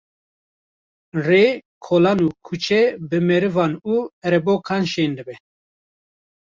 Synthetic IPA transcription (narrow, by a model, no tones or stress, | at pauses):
reːkʰoːlɑːnuːkʰut͡ʃʰɛbɨmɛɾɨvɑːnuːɛɾɛboːkʰɑːnʃeːnd̪ɨbɛ